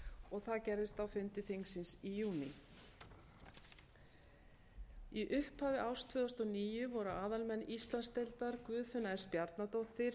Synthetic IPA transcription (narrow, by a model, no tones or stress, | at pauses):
ɔɣθaðcɛɾðɪst̪awfʏnt̪ɪθiŋsɪnsijuːnɪ | iʔʏhphaːvɪʔawst̪ʰvœːðɔst̪ɔniːjʏvɔɾʏʔaːðalmɛnːist̪lanst̪elt̪aɾkvʏːðfʏnːaɛspjaɾt̪nat̪owht̪ɪɾ̥